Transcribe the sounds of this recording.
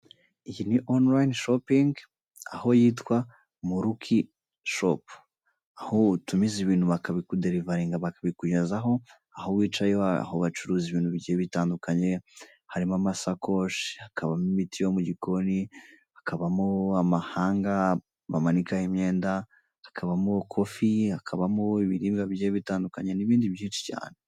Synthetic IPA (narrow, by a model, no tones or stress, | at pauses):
ijiniʔonlajinʃopiŋɡ | a̰ho̞jiːtwa | muɾukʰi | ʃo̰p | ahotumiziβiːn̥huβakaβikudeɾivaɾiŋɡaβakaβikuɟezaɦo̞ | ahowiːt͡ʃajoaa̰hoβat͡ʃuɾuːziβiːnhuβiɟieβitaːndukʰaɲe̞ | haɾimamasakoʃihakʰaβamimitʰijo̞muɟikoni | akʰaβamoamahaːŋɡa | βamanikahimɲe̞ːnda | akʰaβamukʰo̞fiakʰaβamoiβiɾiːŋɡaβiɟejeβitaːndukaɲe̞niβiːndiβjiːnʃi̥ca̰ːne